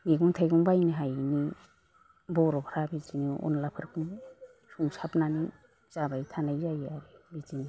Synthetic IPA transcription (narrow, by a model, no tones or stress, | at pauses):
ŋiɡuŋtʰajɡuŋbajniɦajni | bɔɾɔkʰɾabiziniṵnlapʰɯɾkʰuŋ | suŋsapnani | z̥abajtʰanajzajaɾebizini